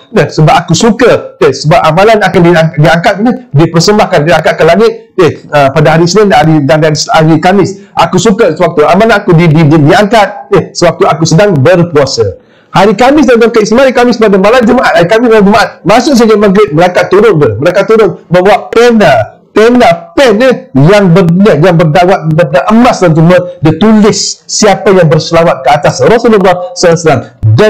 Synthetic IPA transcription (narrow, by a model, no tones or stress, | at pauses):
nəhsəbap̚akusukədəsəbap̚amãlanakandiadiaŋkat̪̚nədiəpərsəmbahkandiaŋkat̪̚kəlaŋɪt̪̚ | eəpadaɦaɾisənɪndaaɾidaŋdaisaɾikamɪsʔakusukəsəwak̚t̪uamalanakudididiaŋkat̪̚nəsəwak̚t̪uakusədaŋbərpuasə | haɾikamɪs̬d̪ant̪aŋkəist̪imahaɾikamɪsəpadamalamd͡ʒəmaʔat̪̚haɾikamimalad͡ʒəmaʔat̪̚mãsʊk̚s̬ad͡ʒamaɡɾɪt̪̚məɾakat̪ːuɾʊnbəməɾaŋkat̪ːuɾʊnməmbawaʔ̚pena | penapɛnəjaŋbəjajaŋbərdawat̪̚bədaʔəmasd̪ant̪umədət̪ulɪsːiapajaŋbərsəlamat̪̚kəat̪asrɔsuləlɔsəlaŋsəlamda